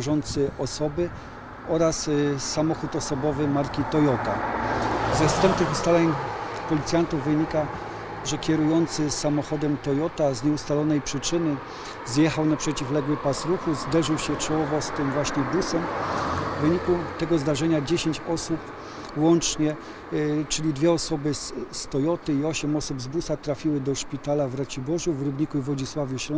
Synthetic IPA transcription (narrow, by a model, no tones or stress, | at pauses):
ʐɔnt̪sɘʔɔsɔbɘ | ɔɾasːamɔxut̪ɔsɔbɔvɘmaɾkʲit̪ɔjɔt̪a | zɛfst̪ɛmp̚t̪ɘxust̪alɛɲpɔlʲit̪sʲjant̪uvːɘɲika | ʐɛkʲɛɾujɔnt̪sɘsamɔxɔd̪ɛmt̪ɔjɔt̪azɲɛust̪alɔnɛjpʂɘt͡ʂɘnɘ | zjɛxawnapʂɛt͡ɕiflɛɡwɘpasɾuxuzd̪ɛʐɘwɕɛt͡ʂɔwɔvɔst̪ɘmvwaɕɲɛbusɛmvːɘɲikut̪ɛɡɔzd̪aʐɛɲad͡ʑeɕeɲt͡ɕɔsup | wɔnt͡ʂɲɛ | t͡ʂɘlʲid̪vʲjɛɔsɔbɘst̪ɔjɔt̪ɘiɔɕɛmɔsubzbusat̪ɾafʲiwɘd̪ɔʂpʲit̪alavɾat͡ɕibɔʐuvɾɘbɲikuvɔd͡ʑiswavʲjuɕɔ